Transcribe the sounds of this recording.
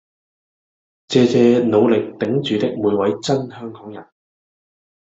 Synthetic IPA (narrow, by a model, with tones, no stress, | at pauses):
t͡sɛː˧t͡sɛː˧no˨˧wlɪ˨˩k̚t̪ɪ˨˥ŋt͡ʃyː˨˧t̪ɪ˨k̚muː˨˧jwɐ˨˥jt͡sɐ˥nhœː˥ŋkɔː˨˥ŋjɐ˨˩n